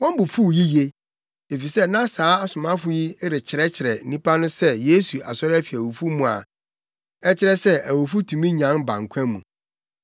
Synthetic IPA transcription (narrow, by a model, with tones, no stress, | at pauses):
wɔ̃˦m˦bʊ˨fu˦˨ji˦je˦ | e˨fi˨sɛ˦nã˦saː˨˦a˨sʊ˨mã˦fʊ˦ji˦ɾɪ˨t͡ɕʰɪ˨ɾɛ˦t͡ɕʰɪ˨ɾɛ˨n̩˦nĩ˦pʰa˦nʊ̃˦sɛ˦je˦su˨ʔa̰˨sɔ˦ɾɪ˦æ˦fi˨æ˨wo˨fu˦mũ˨a̰˨ | ɛ˦t͡ɕʰɪ˦ɾɛ˦sɛ˦æ˨wo˨fu˦tʰũ˨mĩ˦ɲã˨˦nbã̰˨ŋ̩˨kʷʰɛ̃˦mṵ̃˨